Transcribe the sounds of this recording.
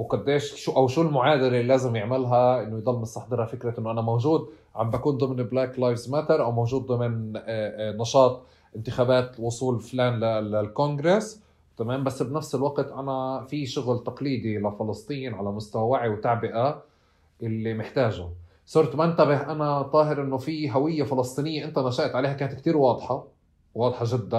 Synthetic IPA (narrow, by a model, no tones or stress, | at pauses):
wqʊd̪ːeːʃʃuʔawʃuːlmʊʕaːd̪ɪɾɪlaːzɪmjɪʕmɪlɦaʔɪnːojd̪ˤɑlːmɪsˤt̪ɑħd̪ˤɨɾˤhɑfɪkɾaʔɪnːoʔanamowʒuːd̪̚ | ʕa̰mbʔakuːnd̪ˤɨmnɪblaːklajfzmat̪aɾʔawmowʒuːd̪̚ːˤɨmɪn | nɑʃɑːt̪ˤ | ʔɪnt̪ɪxaːbaːt̪wʊsˤuːlflaːnlalalkoŋɡɾes | t̪amaːmbasːbnafsɪlwaqt̪ʔanafiʃʊɣlt̪ɑqliːd̪ilafɪlɨsˤt̪ˤiːnʕalamʊst̪awawaʕiwt̪aʕbɪʔa | ʔɪlːimɪħt̪aːʒʊ | sˤʊɾˤt̪mant̪abɪɦʔanat̪ˤːɑːɦɪɾʔɪnːofiɦawɪjːafɪlɑsˤt̪ˤiːnɪjːaʔɪnt̪anaʃaʔt̪ʕaleːhakaːnat̪k̚t̪iːɾwɑːd̪ˤħɑ | wɑːd̪ˤħɑʒɪd̪ːan